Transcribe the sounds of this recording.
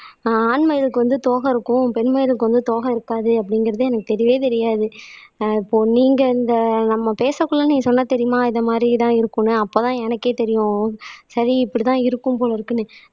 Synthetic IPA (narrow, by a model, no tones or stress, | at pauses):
aːnmɐjɪlɯkːɯʋɐnd̪ɯt̪oːɣɐɪɾɯkːʊ̃pɛɳmɐjlɯkːɯʋɐnd̪ɯt̪oːɣɐɪɾɯkːaːðɯɐpːɐɽɪŋɡɪɾɐðɯɛnɐkːɯt̪ɛɾɪjʋeːt̪ɛɾɪjaːðɯɪpːoːniːŋɡɐɪnd̪ɐnɐmːɐpeːsɐkːʊɭːɐnĩːŋɡɐsɔnːɐt̪ɛɾɪjʊmaːɪðɐmaːd̪ɾit̪ãːɪɾɯkːɯnːɯɐpːoːt̪ãːɛnɐkːeːt̪ɛɾɪjʊ̃sɐɾiɪpːɐɽit̪ãːɪɾɯkːɯmpoːlɐɪɾɯkːɯnːɯ